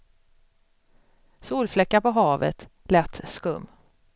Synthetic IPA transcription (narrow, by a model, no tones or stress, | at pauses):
suːlflɛkːapɔɦɑːvə̰t̪lɛt̪ːskɵmː